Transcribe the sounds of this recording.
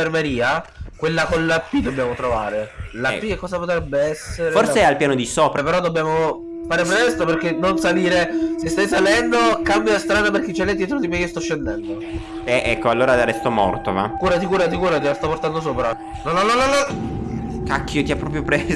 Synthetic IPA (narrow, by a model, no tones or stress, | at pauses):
ermeɾiːakwelːakonlapːid̪obːjaːmot̪ɾova̰ːɾelapːiekːɔːzapot̪ɾɛbːeɛsːeɾforseɛalpjaːnod̪isɔːpɾapeɾɔd̪obːjaːmo | faːɾepɾet̪ɛst̪operk̟enːonsaliːɾesest̪ajsalɛnd̪okambjaast̪ɾaːd̪aperk̟ːet͡ʃːelɛd̪jɛt̪ɾod̪imekiost̪ɔʃːend̪ɛnd̪o | ɛʔɛkːoalːoːɾad̪aɾɛst̪omɔ̰rt̪ova̰kuːɾat̪̬ikuːɾat̪̬ikuːɾat̪ilast̪aport̪and̪os̬oːpɾa | nɔnɔnɔnɔnɔ | kakːiot̪iapːɾɔːpɾjopɾez